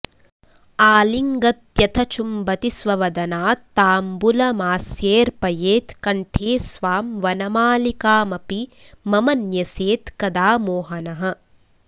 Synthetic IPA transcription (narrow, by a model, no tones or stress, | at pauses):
aːliŋɡɐt̪jɐt̪ʰɐt͡ʃumbɐt̪isʋɐʋɐd̪ɐnaːt̪aːmbulɐmaːsjeːɾpɐjeːt̪kɐɳʈʰeːsʋaːmʋɐnɐmaːlikaːmɐpi | mɐmɐnjɐseːt̪kɐd̪aːmoːɦɐnɐɦɐ̆